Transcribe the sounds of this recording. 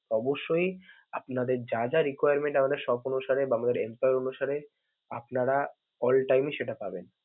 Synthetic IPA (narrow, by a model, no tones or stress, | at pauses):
ɔboʃːoj | apnad̪eɾd͡ʑad͡ʑaɾikajaɾmeɳʈamad̪eɾʃɔbonuʃaɾebaamad̪eɾempajoɾonuʃaɾe | apnaɾa | ɔlʈajmiʃeʈapaben